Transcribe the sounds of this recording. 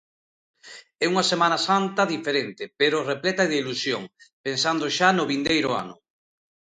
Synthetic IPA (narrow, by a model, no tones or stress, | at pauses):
ɛuŋasemãnasant̪ɐðifeɾent̪ɪpeɾʊreplɛt̪aðeilusjoŋpensand̪oʃanʊβind̪ejɾʊa̰nʊ̰